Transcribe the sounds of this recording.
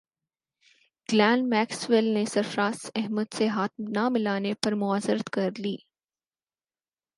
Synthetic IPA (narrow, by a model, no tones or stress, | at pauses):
ɡ̥lɛ̃ːnmɛːksʋɪlnesɐɾfɾãːsɛɦməd̪seɦaːt̪̚mnamɪlaːnepɐɾmʊaːzəɾət̪kɐɾliː